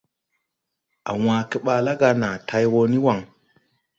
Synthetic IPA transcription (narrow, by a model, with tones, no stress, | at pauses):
a̰˨wã˨ke˦ɓa˨la˦ɡa˧na˨tʰa˦jwo˦ni˦wa˨ŋ